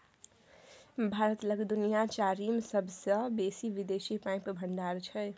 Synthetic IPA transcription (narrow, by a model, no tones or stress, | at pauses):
bʱaɾət̪ləɡd̪unijat͡ʃaɾimsʌbʱsʌbesibid̪esipãjpbʱəɳɖaɾt͡ʃʰʌe